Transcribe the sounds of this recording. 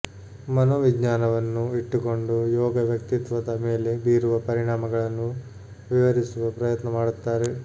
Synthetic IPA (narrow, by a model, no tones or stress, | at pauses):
mɐnoːʋiɡɲaːnɐʋɐnːuiʈːuko̞ɳɖujɔːɡɐʋjɐkt̪it̪ʋɐd̪ɐme̞ːle̞biːɾuʋɐpɐɾiɳaːmɐɡɐɭɐnːu | ʋiʋɐɾisuʋɐpɾɐjɐt̪nɐmaːɽut̪ːaːɾe